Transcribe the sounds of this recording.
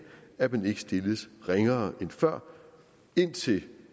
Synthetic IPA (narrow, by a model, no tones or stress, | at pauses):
æb̥ene̝ɡ̥sd̥e̝ləsʁeŋɐːʔenfɶɐ̰ | e̝n̰t͡sʰe̝l